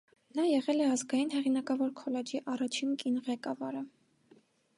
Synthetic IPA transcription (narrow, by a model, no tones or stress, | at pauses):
nɑjɛʁɛlɛɑzɡɑjinɦɛʁinɑkɑvɔɾkʰɔlɛd͡ʒiʔɑrɑt͡ʃʰinkinʁɛkɑvɑɾə